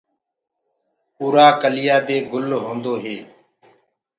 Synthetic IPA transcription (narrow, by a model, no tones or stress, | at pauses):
uːɾaːkəlɪjaːd̪eːɡʊlɦõːnd̪oːɦeː